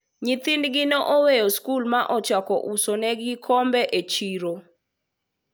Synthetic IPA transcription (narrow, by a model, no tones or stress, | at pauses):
ɲit̪ɪndɡɪnoʔowejoskulmaʔɔt͡ʃakɔ̰ʔusonɛɡɪkʰɔmbɛʔet͡ʃiɾo